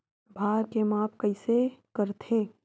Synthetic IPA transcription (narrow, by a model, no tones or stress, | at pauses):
bʱaːɾkemaːpʰkɐɪsekəɾt̪ʰeː